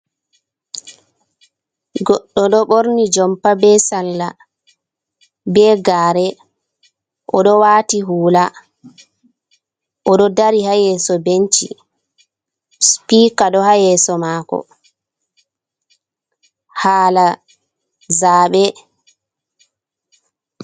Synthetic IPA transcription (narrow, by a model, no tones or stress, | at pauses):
ɡɔɗːɔɗɔɓoɾnid͡ʒɔmpabɛsalːa | bɛɡaːɾɛ | ʔɔɗɔwaːtiɦuːla | ʔɔɗɔdaɾihajɛsɔbent͡ʃḭ | spiːkaɗɔhajɛsɔmakɔ̰ | haːla | zaɓɛ